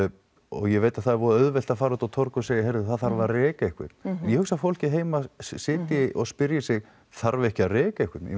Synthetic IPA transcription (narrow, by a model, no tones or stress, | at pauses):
ɔ̰ɣjɛveːjt̪aðθaðɛɾvɔːðaœðvɛl̥t̪afaːɾaʏt̪awt̪ʰɔɾkɔseːjɪɦejɾðɪθaðθaɾvarɛːkaehkɪ̰t̪n̥jɛhʏksafowl̥cɪɦeːjmasɪːt̪ɪʔɔɣspɪɾjɪsɪɣ | θaɾvɛhcɪarɛːkaɛhkʏt̪njɛ̰